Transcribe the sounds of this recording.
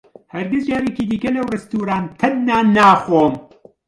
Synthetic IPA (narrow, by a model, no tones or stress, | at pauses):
hɐɾɡɨzd͡ʒaːɾeːkiːd̪iːkɐlɐwrɨst̪uːɾaːnt̪ʰɐnːaːnaːxoːm